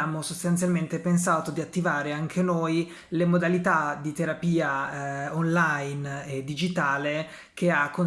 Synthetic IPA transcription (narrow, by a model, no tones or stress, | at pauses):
aːmosost̪ant̪sjalment̪epens̬aːt̪od̪iat̪ːivaːɾeaŋk̟ʰenoj | lemod̪alit̪ad̪it̪eɾapiːaonlajned̪ːid͡ʒit̪aːle | k̟eakːo